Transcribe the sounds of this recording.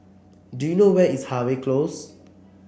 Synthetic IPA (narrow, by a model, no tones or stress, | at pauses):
dujunowɛishaweklos